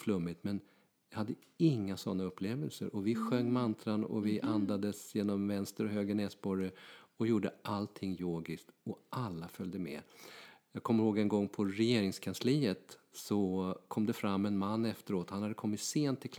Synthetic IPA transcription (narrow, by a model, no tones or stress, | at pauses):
flɵmːɪt̪mɛn | jɑhad̪ːə | ɪŋːasɔnːaɵpʰːleːvəlsə̰ɾɔvɪɧœŋːmant̪ʰɾanɔ̰vɪʔand̪ad̪əsjeːnɔmvɛnst̪əɾɔɦøːɡənɛːsbɔɾəɔjuːɖəʔalt̪ʰɪŋːjoːɡɪsk̚t̪ɔʔalːafœld̪əmɛ̰ːjɑːɡ̚kʰɔmːəɾhoːɡɛnɡɔŋːpʰɔɾɛjeːɾɪŋskʰansliːət̪sɔkʰɔmd̪ɛfɾamːɛnmanːɛft̪əɾoːt̪hanhad̪ːəkʰɔmːɪt̪seːnt̪ʰːɪlkʰ